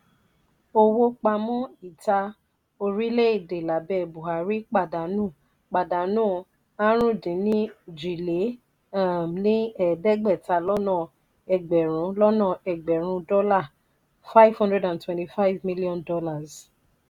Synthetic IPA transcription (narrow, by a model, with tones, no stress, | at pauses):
o˧wo˧k͡pa˧mɔ̃˦i˦˨ta˧ | o˧ɾi˦le˦i˦˨de˨la˨˦bɛ˦˨bu˨ɦa˨ɾi˦k͡pa˦˨da˨˦nũː˦˨ | k͡pa˨da˨nũː˦ | ã˦ɾ̃ũ˦˨dĩ˨˦nĩ˦d͡ʒi˨le˨˦ | a˦˨mnĩ˦ɛ˦˨dɛ˦ɡ͡bɛ˦˨ta˧lɔ˦nɔ̃˦˨ | ɛ˨ɡ͡bɛ˨ɾ̃ũ˨˦lɔ˦nɔ̃˦˨ɛ˨ɡ͡bɛ˨ɾ̃ũ˧˦dɔ˦la˦˨ | fa˦i˦vhɔ̃˦dɾɛ˦dã˨ntwɛ̃˨nti˨fa˦i˦vmi˦li˦ɔ̃˦˨ndɔ˦la˦˨z